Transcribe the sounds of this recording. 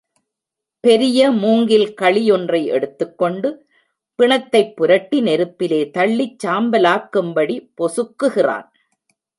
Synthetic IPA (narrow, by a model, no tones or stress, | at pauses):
pɛɾɪjɐmuːŋɡɪlkɐɭɪjɔndrɐɪʔɛ̰ɽɯt̪ːɯkːɔɳɖɯ | pɪɳɐt̪ːɐɪpːʊɾɐʈːinɛɾɯpːɪleːt̪ɐɭːit͡ʃːaːmbɐlaːkːɯmbɐɽipɔsɯkːɯɣɪra̰ːn